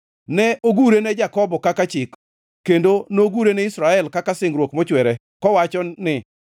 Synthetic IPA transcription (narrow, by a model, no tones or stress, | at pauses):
nɛʔoɡuɾenɛd͡ʒakɔbɔkakat͡ʃɪk | kːendonoɡuɾenɛisɾaɛlkakasɪŋɡɾwokmɔt͡ʃwɛɾɛ | kɔwat͡ʃɔnɪ